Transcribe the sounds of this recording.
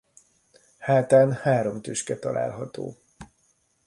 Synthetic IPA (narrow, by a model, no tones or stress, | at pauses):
haːt̪aːnhaːɾo̞mt̪øːʃkɛt̪ɒlʔa̰ːlɦɒt̪o̰ː